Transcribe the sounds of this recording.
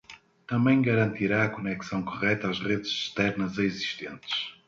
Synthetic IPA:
t̪ɐ̃mbɐ̃j̃ɡɐɾɐ̃nt̪iɾaɐkunɛksɐ̃w̃kuʁɛt̪azʁeðɨz̥ʃt̪ɛɾnɐzɐiziʃt̪ẽnt̪ɨ̥ʃ

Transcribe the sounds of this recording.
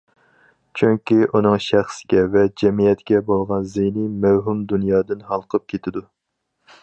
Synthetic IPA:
t͡ʃʰyŋkʲiʔunɨŋʃæχsɪɡʲɛvɛd͡ʒɛmijɛt̪kʲɛbolˠʁɑnzejnimæwɦumd̪unjɑːd̪ɨnhɑlˠqʰəp̚kʲʰet̪ʰɪd̪u

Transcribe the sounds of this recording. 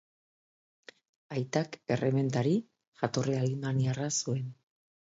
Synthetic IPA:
ajt̪ake̞reme̞nt̪aɾi | ʝat̪o̞realimaniarasue̞n

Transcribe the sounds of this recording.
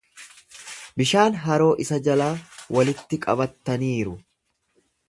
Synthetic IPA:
bɪʃaːnɦɐɾo̞ːʔɪsɐd͡ʒɐlaːwɐlɪt̪ːɪkʼɐbɐt̪ːɐniːɾʊ

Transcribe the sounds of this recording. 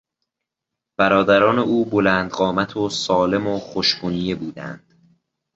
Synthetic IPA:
b̥æɾɒːd̪æɾɒːneʔuːbolæːnd̪ɢɒːmæt̪ʰosɒːle̞moχoʃbunije̞buːd̪æ̰nd̪̥

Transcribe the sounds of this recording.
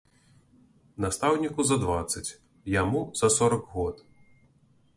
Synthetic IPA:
nast̪awnʲikuzɐd̪vat̪sːɐt͡sʲ | jamuz̥ɐsɔɾɐkɣɔt̪

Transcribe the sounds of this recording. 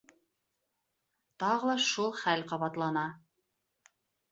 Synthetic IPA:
t̪ɑʁɤlˠɑʃulˠχælqɑβɑt̪lˠɑnɑ

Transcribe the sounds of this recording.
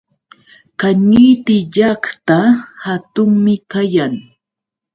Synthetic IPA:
kaɲijt̪ɪʎakt̪ahat̪ʊŋmɪkajaŋ

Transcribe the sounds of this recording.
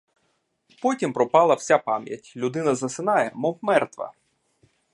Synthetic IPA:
pɔtʲimpɾɔpɑlˠɐw̥sʲapɑmʲjɐ̰tʲlʲʊd̪ɪnɐzɐsɪnɑjɛmɔpmɛrt̪ʋɐ̰

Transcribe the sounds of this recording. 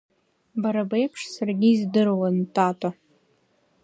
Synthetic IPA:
baɾabejpʰʂsarɡʲiːzdɨrwantʰʼatʼa

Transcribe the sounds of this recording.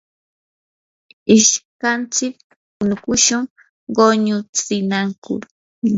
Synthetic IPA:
ɪʃkant͡sɪk̚ | ʊnʊkʊʃʊŋ | ɢoɲʊt͡sɪnaŋkʊ̰ɾ

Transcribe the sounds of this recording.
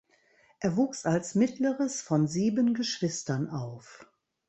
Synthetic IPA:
ʔeːɐvuːksalsmɪtləʁəsfɔnziːbənɡəʃv̥ɪstɐnʔaʊf

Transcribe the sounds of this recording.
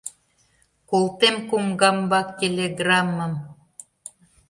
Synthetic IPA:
kolt̪emkumɡɑmbɑkːʲelʲeɡrɑmːəm

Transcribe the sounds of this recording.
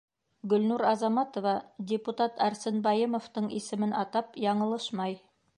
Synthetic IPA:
ɡɵ̆lnuɾɑzɑmɑt̪ŏvɑdʲɪput̪ɑt̪ʰæɾsɘnbɑjɤmŏft̪ɤɴisɘ̆mɘnʔɑt̪ɑpjɑɴɤ̆lˠɤʃmɑj

